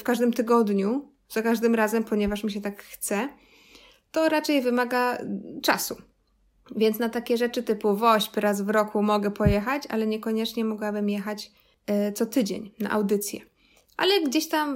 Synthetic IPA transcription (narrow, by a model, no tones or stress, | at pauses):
fkaʐd̪ɘmt̪ɘɡɔd̪ɲu | z̥akaʐd̪ɘmɾazɛmpɔɲɛvaʂmʲiɕɛt̪akxt̪sɛ | t̪ɔɾat͡ʂɛjvɘmaɡat͡ʂa̰su | vʲjɛnt̪snat̪akʲɛʐɛt͡ʂɘt̪ɘpuvɔɕpɾazvɾɔkumɔɡɛpɔjɛxat͡ɕa̰lɛɲɛkɔɲɛt͡ʂɲɛmɔɡwabɘmjɛxat͡ɕ | t̪sɔt̪ɘd͡ʑḛɲna̰ʔa̰wd̪ɘt̪sʲjɛ̰ | ʔa̰lɛɡd͡ʑeɕt̪am